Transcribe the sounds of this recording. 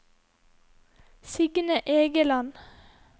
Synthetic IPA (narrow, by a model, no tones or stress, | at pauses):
sɪɡnəʔeːɡəlɑn